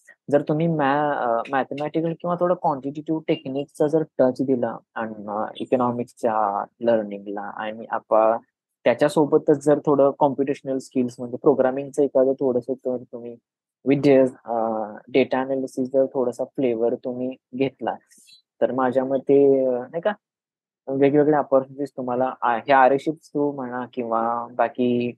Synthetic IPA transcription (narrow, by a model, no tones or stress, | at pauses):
d͡zəɾt̪um̤iːmɛmæt̪emæʈikəlkĩw̃ʋat̪ʰoɽəkɔ̃ɳʈiʈuʈiʋʈeknikt͡sad͡zəɾʈət͡ɕd̪ilaːñiḭkonɔmikt͡ɕaləɾniŋɡla̰a̰ɽ̃iʔa̰pã | t̪jat͡ɕasobət̪ːət͡sd͡zəɾt̪ʰoɽəkɔmpuʈeɕənəlskilsm̤əɳd͡zepɾoɡɾamiŋɡt͡səekad͡z̪ət̪ʰoɽəsot̪əɾt̪um̤iː | ʋid̪ʱjəs | ɖeʈaanalisisd͡zəɾt̪ʰoɽəsafleʋəɾt̪um̤iːɡʱet̪la | t̪əɾmad͡ʑʱjaməd̪ʱːjenajka | ʋeɡɭeɡɭeapəɾfosist̪um̤alaʔaɦjeaɾəɕit̪st̪ɾum̤əɽ̃akĩw̃ʋabakiː